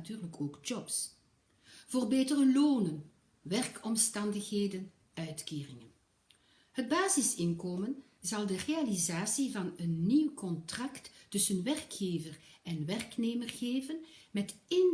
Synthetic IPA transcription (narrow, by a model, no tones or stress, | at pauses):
tyːrləkʰoːɡd͡ʒɔps | v̥oːrbeːtərəloːnən | ʋɛrkɔmstɑndəxɦeːdən | œɥtkeːrɪŋən | həd̚baːzɪsɪnkoːmən | zɑlˠdərealizaːsivɑnənːiwkɔntrɑktːɵsənʋɛrkxeːvərɛnʋɛrkneːmərɣeːvənmɛtɪn